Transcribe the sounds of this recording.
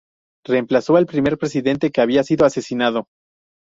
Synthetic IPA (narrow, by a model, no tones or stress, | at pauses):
re̞ːmplaso̞elpɾime̞ɾpɾe̞siðe̞nt̪eke̞aβiasiðo̞ase̞sinað̞o̞